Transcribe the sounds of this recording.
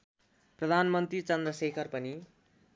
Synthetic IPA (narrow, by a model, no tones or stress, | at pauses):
prʌd̪ʱanmʌnt̪rit͡sʌnd̪rʌsekʰʌrpʌni